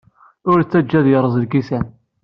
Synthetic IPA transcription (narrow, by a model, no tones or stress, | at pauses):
ʊɾt͡sːæd͡ʒːæðjəɾˤəzˤəlɡisæn